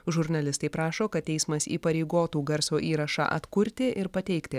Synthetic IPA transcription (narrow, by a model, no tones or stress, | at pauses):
ʒʊɾʲnɐlʲɪst̪ɐɪpɾɑːʃoːkɐt̪̚ʲt̪ʲɛɪsmɐsḭːpɐɾʲɛɪɡoːt̪uːɡɐɾsoːʔiːɾɐʃɑ̰ʔɐ̰t̪kʊɾʲt̪ʲɪʔɪɾpɐt̪ʲɛɪkt̪ʲɪ